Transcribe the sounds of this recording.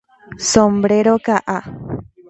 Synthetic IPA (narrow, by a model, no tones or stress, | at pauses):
sõmbɾeɾokaʔa